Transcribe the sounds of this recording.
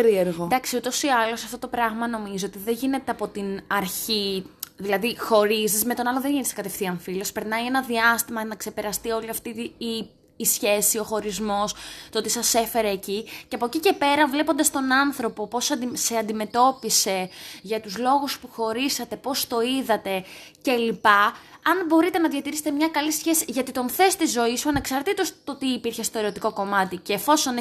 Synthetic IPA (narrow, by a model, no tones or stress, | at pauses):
eɾieɾɣod̪ɐksiut̪o̞siɐlo̞sɐft̪o̞t̪o̞pɾɐɣmɐno̞mizoot̪iðenʝine̞t̪eɐpo̞t̪inɐɾçiðilɐðixo̞ɾizizme̞t̪o̞nɐlonðeʝinesɐkɐt̪e̞fθiɐɱfilospe̞ɾnɐienɐðiɐst̪imɐnɐkse̞pe̞ɾɐst̪io̞liɐft̪iː | sçe̞sio̞xo̞ɾizmo̞st̪oot̪isɐse̞fe̞ɾeːciceɐpocice̞pe̞ɾɐvle̞po̞nd̪ɐst̪o̞nɐnθɾo̞po̞po̞sd̪seɐnd̪ime̞t̪o̞pise̞ʝɐt̪uzlo̞ɣuspuxo̞ɾisɐt̪e̞po̞st̪o̞iðɐt̪e̞ce̞lipɐːnbo̞ɾit̪enɐðʝɐt̪iɾiset̪mɲɐkɐlisçe̞siʝɐt̪it̪o̞nθe̞st̪izo̞isuɐne̞ksɐɾt̪it̪ost̪o̞t̪iːpiɾçe̞st̪o̞e̞ɾo̞t̪iko̞ko̞mɐt̪iceːfo̞so̞n